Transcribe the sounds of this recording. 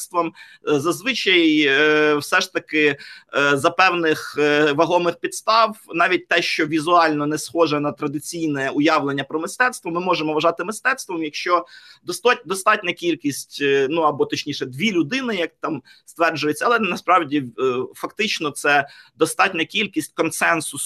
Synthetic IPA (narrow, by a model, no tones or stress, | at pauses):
st̪ʋɔmzɐzʋɪt͡ʃɐjjwsɛʂt̪ɐkɪ | zɐpɛwnɪxʋɐɦɔmɪxpʲit̪st̪ɑwnɑʋʲit̚ʲt̪ɛʃt͡ʃɔʋʲizʊɑlʲnɔnɛsxɔʒɛnɐt̪ɾɐd̪ɪt͡sʲijnɛʊjɑʋlˠenʲːɐpɾɔmɪst̪ɛt̪st̪ʋɔmɪmɔʒemɔʋɐʒɑt̪ɪmɪst̪ɛt̪st̪ʋɔmjɐkʃt͡ʃɔd̪ɔst̪d̪ɔst̪ɑtʲnʲɐkʲilʲkʲisʲtʲnuɐbɔt̪ɔt͡ʃnʲiʃɛd̪ʋʲilʲʊd̪ɪnɪjɐk̚t̪ɑm | st̪ʋɛrd͡ʒʊjett͡sʲːɐlˠɛnɐspɾɑwdʲifɐkt̪ɪt͡ʃnɔt̪sɛd̪ɔst̪ɑtʲnʲɐkʲilʲkʲisʲtʲkɔnsɛnsʊs